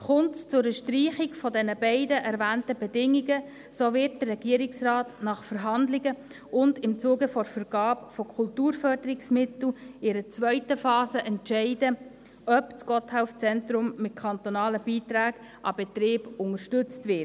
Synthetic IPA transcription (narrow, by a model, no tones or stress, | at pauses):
χʊntt͡sʊɾəʃtriːχɪɡfɔdɛnəbɛɪdəʔɛɾvæːntəbɛdɪŋiɡə | soːvɪɾt̚dərːɛɡ̥iəɾɪksrɑːtnɑχfəɾɦɑndlɪɡə | ʊndɪmt͡suːɡəfɔɾfəɾɡ̥ɑːpfokʰʊltuːɾfœɾdəɾɪksmɪtl̩ɪɾət͡svœʏtəfɑːzəʔɛntʃɛɪdə | œpt͡sɡɔthaʊft͡sɛntɾʊmːɪt̚kʰɑntonɑːləb̥iːtɾaːɡ̥ | ʔɑbɛt̪ɾɪːbʊŋəɾʃtʏt͡stvɪt